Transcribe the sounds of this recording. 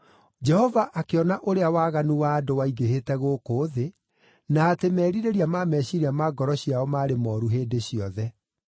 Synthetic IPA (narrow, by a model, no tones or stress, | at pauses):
d͡ʒɛhɔvaʔakeɔnaʔoɾeawaːɣanuwaːdowaiɡehetɛɣoːkoːðe | naːtemɛːɾiɾeɾiamaːmɛːɕiɾiamaːɡɔɾɔɕiaɔmaːɾemɔːɾuɦeːdeɕiɔðɛ